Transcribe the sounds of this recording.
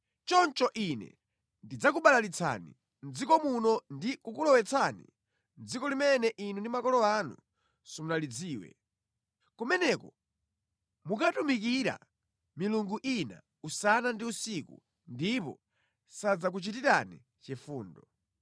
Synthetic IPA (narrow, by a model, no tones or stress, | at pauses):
t͡ʃɔnt͡ʃɔʔinɛ̰ | ndid͡zak̬uɓalalit͡sʰa̰nḭ | n̩d͡zikɔmunɔndikukulɔwɛt͡sʰanḭ | nd͡zikɔlimɛnɛʔinundimakɔlɔanṵ | sɔmunalid͡ziːwɛ̰ | kɔmɛnɛkɔ | mukatumik̬iɾa̰ | miluŋɡuʔina̰ | usanandiusikṵ | ndipɔ̰ | sad͡zak̬ut͡ʃitiɾanḭ | t͡ʃɛfuːndɔ